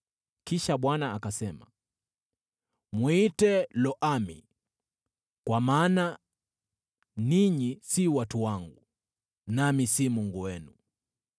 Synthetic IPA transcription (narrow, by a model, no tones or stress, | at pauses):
kiʃaɓwanaakasɛma̰ | mwitɛlɔʔamḭ | kwamaːna | niɲisiwatuwaŋɡu | namisimuŋɡuwɛnu